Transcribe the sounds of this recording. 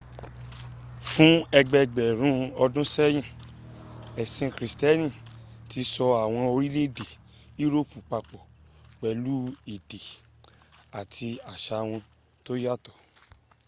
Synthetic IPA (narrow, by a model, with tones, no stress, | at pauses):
fũ˦ɛ˧ɡ͡bɛ˧ɡ͡bɛ˨ɾ̃ũ˨˦ɔ˧dũ˦sɛ˦j̃ĩ˦˨ | ɛ˨sĩ˧kɾi˨stɛ˦nĩ˦˨ti˧sɔ˧a˨w̃ɔ̃˧o˧ɾi˦le˦de˨ | i˦ɾo˦˨pũ˨k͡pa˧k͡pɔ˨k͡pɛ˨lu˦i˨de˨ | a˨tʰi˧a˨ʃa˧w̃ɔ̃˧ | to˦ja˦˨tɔ˨